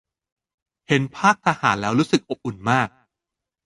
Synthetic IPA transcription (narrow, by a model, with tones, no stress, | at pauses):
he˩˦npʰaː˥˩k̚t̪ʰaː˧haː˩˦nlɛː˦˥wɾuː˦˥sɯ˨˩k̚ʔo˨˩p̚ʔu˨˩nmaː˥˩k̚